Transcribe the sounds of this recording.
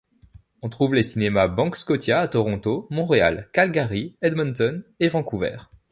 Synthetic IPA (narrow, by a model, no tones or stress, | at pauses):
ɔ̃t̪χuvlesinemabɑ̃kskɔt̪jaːt̪ɔʁɔ̃t̪omɔ̃ʁea̰lkalɡaʁiɛd̪mɔnt̪ɔnevɑ̃kuvɛ̰ːʁ